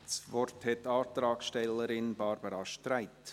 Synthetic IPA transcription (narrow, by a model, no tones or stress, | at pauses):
sʋɔrthɛtːɑːt̪ɾɑːksʃtɛlːəɾɪnb̥ɑɾbəɾɑʃtɾæɪt